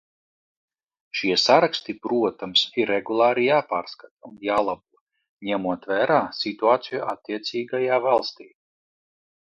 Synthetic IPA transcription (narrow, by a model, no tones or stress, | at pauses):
ʃiɛsaɾakst̪ipɾuɔt̪amsiɾɛɡulˠaːɾijaːpaːɾskat̪aunjaːlˠabuɔ | ɲɛmuɔt̪væːɾaːsit̪uaːt̪sijuat̪ʲːiɛt̪sʲiːɡajaːvalˠst̪iː